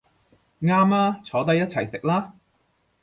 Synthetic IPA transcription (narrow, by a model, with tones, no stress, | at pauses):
ŋaː˥mlaː˥t͡sʰɔː˨˥t̪̬ɐ˧jɐ˥t̚t͡sʰɐ˨˩jsɪ˨k̚laː˥